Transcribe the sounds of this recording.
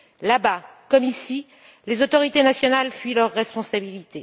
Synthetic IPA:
labakɔmisi | lezot̪ɔʁit̪enasjɔnalfɥilœʁːɛspɔ̃sabilit̪e

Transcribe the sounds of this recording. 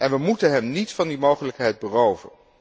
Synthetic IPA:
ʔɛnʋəmutənɦɛmnitfɑndimowχələkɦɛjd̚bərowvən

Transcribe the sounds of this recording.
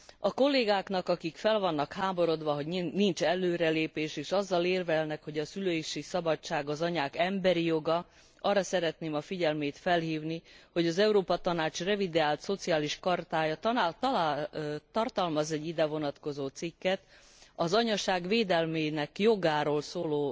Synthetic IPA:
ɒko̞lːeːɡaːkn̪ɒkɒkikfɛlvɒnːɒkhaːmo̞ɾo̞d̪ʋɒɦo̞ɟnint͡ʃɛlːøːɾɛleːpeːʃeːʃɒzːɒleːrvɛlnɛkho̞ɟɒsyløːjiʃisɒbɒt͡ʃːaːɡɒzɒɲaːkɛmbɛɾijo̞ɡɒ | ɒrːɒsɛɾɛt̪neːmɒfiɟɛlmeːt̪fɛlhiːvniho̞ɟɒzɛuɾoːpɒt̪ɒnaːt͡ʃrɛvid̪eaːlt̪so̞t̪siaːliʃkɒrt̪aːjɒt̪ːt̪lat̪ɒrt̪ɒlmɒzɛɟːid̪ɛvo̞nɒt̪kozoːt̪sikːɛt̪ | ɒzɒɲɒʃaːɡveːd̪ɛlmeːnɛkjo̞ɡaːɾoːlsoːloː

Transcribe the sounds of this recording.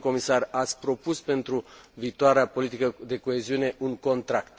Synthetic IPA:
ko̞misarat̪sʲpɾo̞puspe̞nt̪ɾuviːt̪oaɾeapo̞lit̪ikəd̪e̞ko̞e̞ziune̞ʔuŋko̞nt̪ɾakt̪

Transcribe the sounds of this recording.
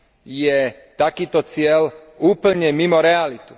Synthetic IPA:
jɛ | t̪akiːt̪ɔt͡sɪɛl | uːpl̩ɲɛmimɔɾɛalit̪u̥

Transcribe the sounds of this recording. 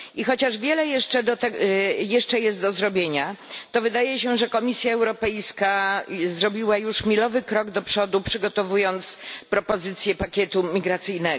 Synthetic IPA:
ixɔt͡ɕaʐvʲjɛlɛjɛʂt͡ʂɛd̪ɔt̪ɛjɛʂt͡ʂɛjɛst̪̚d̪ɔzɾɔbʲjeɲat̪ɔvɘd̪ajɛɕɛʐɛkɔmʲisʲjaɛwɾɔpɛjskazɾɔbʲiwajuʂmʲilɔvɘkɾɔɡd̪ɔpʂɔd̪upʂɘɡɔt̪ɔvujɔnt̪spɾɔpɔzɘt̪sʲjɛpakʲɛt̪umʲiɡɾat̪sɘjnɛ

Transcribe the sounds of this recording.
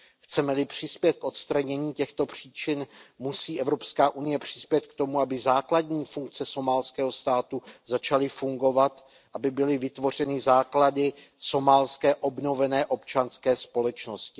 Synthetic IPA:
xt͡sɛmɛlɪpr̝̥ɪspjɛt̪̚kʔo̞t̪st̪ɾaɲɛɲiːcɛxt̪o̞pr̝̥iːt͡ʃɪnmusiːʔɛvɾo̞pskaːʔunɪjɛpr̝̥ɪspjɛt̪̚kt̪o̞muabɪzaːkladɲiːfuŋk̚t͡sɛso̞maːlskɛːɦo̞st̪aːt̪uzat͡ʃalɪfuŋɡo̞vat̪ | ʔabɪbɪlɪvɪt̪vo̞r̝ɛnɪzaːkladɪso̞maːlskɛːʔo̞bno̞vɛnɛːʔo̞pt͡ʃanskɛːspo̞lɛt͡ʃno̞scɪ

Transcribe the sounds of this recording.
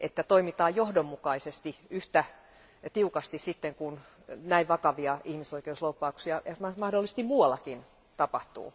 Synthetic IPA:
ʔet̪ːæt̪oimit̪ɑːjjohdomːukɑisest̪iyht̪æ | t̪iukɑst̪issit̪ːeŋkun | næiʋʋɑkɑʋiɑihmisoikeuslopːɑuksiɑjɑmɑmɑhdolːise̥st̪immuːɑlːɑkin | t̪ɑpɑht̪ṵː

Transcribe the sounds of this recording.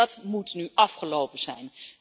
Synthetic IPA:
ɑtmutnyʔɑfχəlowpəzɛjn

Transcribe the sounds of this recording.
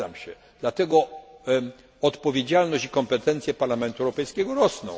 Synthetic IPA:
a̰mɕɛ | d̪̥lat̪ɛɡɔ | ɔt̪pɔvʲjed͡ʑalnɔɕt͡ɕikɔmpɛt̪ɛnt̪sjɛpaɾlamɛnt̪uɛwɾɔpɛjskʲɛɡɔɾɔsnɔ̰̃w̃

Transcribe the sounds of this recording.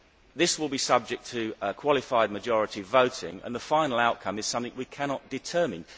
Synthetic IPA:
ðɪswɪlˠbisʌb̚d͡ʒɪk̚tʰəkʰw̥ɒlˠɪfaɪd̚məd͡ʒɒɹɪtivəʊtɪ̰̃ŋə̰̃nðəfãɪ̃nl̩ˠaʊʔ̚kʰʌ̃mɪz̥sʌ̃mθɪ̃ŋwikʰænɒt̚d̥ɪtʰɜːmɪ̃n

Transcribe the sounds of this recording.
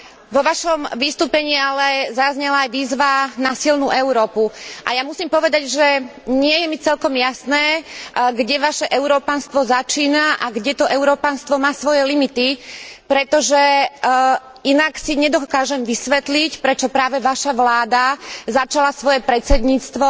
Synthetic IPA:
ʋɔʋaʃɔmʋist̪uːpɛɲiːalɛzazɲɛlaːjʋiːzʋanasilnuʔɛʊɾɔːpuʔajamusiːmpɔʋɛd̪aɟʒɛɲɪɛjɛmit͡sɛlkɔmjasnɛːɡɟɛʋaʃɛʔɛʊɾɔːpanst̪ʋɔzat͡ʃiːnaʔaɡɟɛt̪ɔʔɛʊɾɔːpanst̪ʋɔmaːsʋɔjɛlimit̪ipɾɛt̪ɔʒɛ | inaksiɲɛd̪ɔkaːʒɛmʋisʋɛt̪licpɾɛt͡ʃɔpɾaːʋɛʋaʃaʋlaːd̪azat͡ʃalasʋɔjɛpɾɛt̪t͡sɛd̪ɲiːt͡st̪ʋɔ

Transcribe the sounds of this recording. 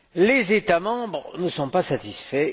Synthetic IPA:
lezet̪amɑ̃bʁənəsɔ̃pasat̪isfɛ

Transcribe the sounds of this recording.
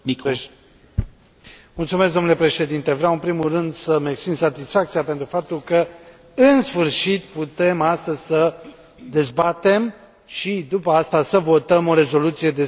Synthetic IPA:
mult̪sumes̬ɡd̪onule̞pɾe̞ʃe̞d̪int̪e̞vɾeawɨnpɾimulrɨnd̪səmeksp̪insat̪isfak̚t̪siapent̪ɾufap̚t̪ulkə | ɨnsfɨrʃit̪put̪e̞mast̪əzʲsə | d̪e̞zbat̪e̞m | ʃid̪upəast̪asəvo̞t̪əmo̞ɾe̞zo̞lut̪sije̞d̪e̞

